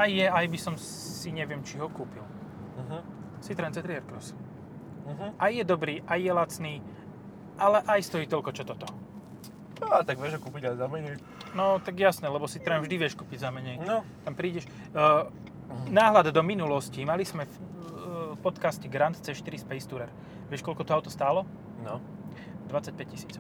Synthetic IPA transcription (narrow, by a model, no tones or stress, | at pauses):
ajːɛajbisɔm | siɲɛʋɪɛmt͡ʃiɦɔkuːpil | sit̪ɾɛnt͡sɛt̪ɾiɛɾkɾɔs | ɦʔajːɛd̪ɔbɾiːʔajjɛlat͡sniː | ʔalɛʔajst̪ɔjiːt̪ɔlkɔt͡ʃɔt̪ɔt̪ɔ | at̪aɡʋɪɛʒɦɔkuːpiɟaɛzamɛɲɛ | nɔt̪aɡjasnɛlɛbɔsit̪ɾɛvʒd̪iʋɪɛʃkuːpiɟzamɛɲɛjt̪ampɾiːɟɛʃ | naːɦlad̪d̪ɔminulɔscimalizmɛf | pɔt̪kascɛɡɾant̪t͡sɛʃt̪iɾispɛjst̪uɾɛɾ | ʋɪɛʃkɔlkɔt̪ɔaʊt̪ɔst̪aːlɔ | nɔ | d̪ʋat͡sːac̚pɛc̚cisiːt͡sɔʊʊ